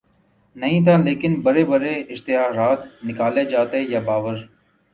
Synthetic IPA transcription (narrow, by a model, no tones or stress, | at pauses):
nəɦĩːt̪ʰaːleːkɪnbəɾeːbəɾeːɪʃt̪ɪɦaːɾaːt̪ʰnɪkaːleːd͡ʒaːt̪ejaːbaːʋəɾ